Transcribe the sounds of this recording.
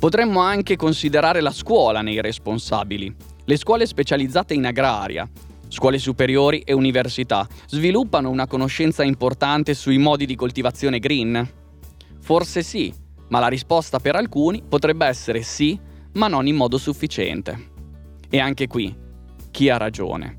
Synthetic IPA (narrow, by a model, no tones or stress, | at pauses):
pot̪ɾɛmːoaŋkekonsid̪eɾaːɾelaskwɔːlanejɾesponsa̰ːbili | leskwɔːlespet͡ʃalid̪zːaːt̪einaɡɾa̰ːɾj̰a̰ | skwɔːles̬upeɾjoːɾiʔeuniversit̪azvilupːanounakonoʃːɛnt̪saimport̪ant̪esuimɔːd̪id̪ikolt̪ivat̪sːjoːneɡɾin | forsesi | malaɾispɔst̪apeɾalkuːnipot̪ɾɛbːeɛsːeɾesi | manːonimːɔːd̪osufːit͡ʃɛ̰nt̪ḛ | eaŋkekwi | k̟ːiarːad͡ʒo̰ːnḛ